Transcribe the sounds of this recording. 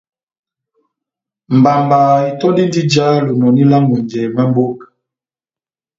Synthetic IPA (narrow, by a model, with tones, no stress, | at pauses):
m˨ba˨mbaː˨i˨tɔ˦di˦ndi˦d͡ʒa˦lu˨nɔ˨ni˦la˦ŋɡu˨nd͡ʒɛ˨mɛ˦m˦bo˦k